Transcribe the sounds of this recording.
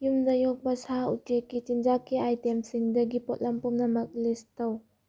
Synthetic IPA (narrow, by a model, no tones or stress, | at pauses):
jumdɐjɔk̚bɐsaṵtekːit͡ʃinzakːiʔajtemsiŋdɐɡipɔt̚lɐmpumnɐmɐk̚listɐw